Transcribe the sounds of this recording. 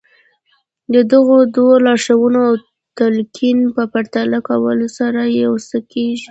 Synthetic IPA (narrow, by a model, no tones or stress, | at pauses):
d̪əd̪əɣod̪wolɑʂawunoaw | t̪alkʰinpəpaɾt̪alakawəlosaɾajeosakeʒi